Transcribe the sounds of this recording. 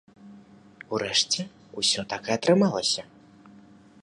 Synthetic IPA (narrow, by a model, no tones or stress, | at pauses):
uɾɛʂt͡sʲɛ | usʲɔt̪akɛɐt̪ɾɨmalˠɐsʲɐ